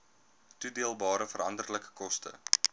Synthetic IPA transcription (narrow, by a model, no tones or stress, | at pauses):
tudiəlˠbɑːɾəfəɾɐndərləkə̥kɔstə̰